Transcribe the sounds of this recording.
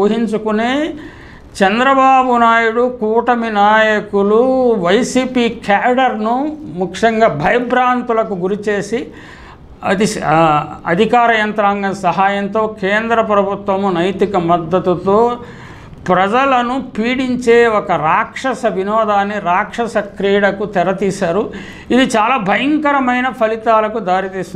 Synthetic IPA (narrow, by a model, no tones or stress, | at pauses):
oːɦiɲt͡ʃukuneː | t͡ʃɛnd̪ɾɐbaːbunaːjuɽukuːʈɐminaːjɐkuluʋɐjsiːpiːkaːɖɐɾnumukʂɐŋɡaːbʱɐjɐbɾaːnt̪ulɐkuɡuɾit͡ʃeːsi | ɐ̰d̪i | ɐ̰d̪ʱikaːɾɐjɐnt̪ɾaːŋɡɐnsɐɦaːjɐnt̪o̞ːkeːnd̪ɾɐpɾɐbʱut̪ʋɐmunɐjt̪ikɐmɐd̪ːɐt̪ut̪oː | pɾɐd͡ʒɐlɐnupiːɽiɲt͡ʃe̞ːɔkɐɾaːkʂɐsɐʋinɔːd̪aːnːiɾaːkʂɐsɐkɾiːɽɐkut̪ɛɾɐt̪iːʃaːɾu | id̪it͡ʃaːlaːbʱɐjɐŋkɐɾɐmɐjnɐpʰɐlit̪aːlɐkud̪aːɾit̪iːsiun